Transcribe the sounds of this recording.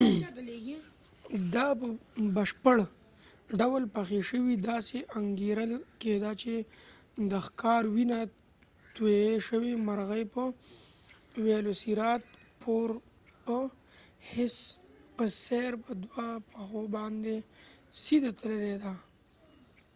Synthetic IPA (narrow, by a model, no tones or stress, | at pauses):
leɡi | d̪ɑpəbəʃpəɽ | ɖawəlpaxeʃəwid̪ɑseʔaŋɡeɾəlked̪at͡ʃe | d̪əxkɑɾwina | t̪weʃəwimaɾɣəjpə | welosiɾɑt̪̚pʰoɾ | pə | hɪspəseɾpəd̪wapaxobɑnd̪esid̪at̪əleled̪a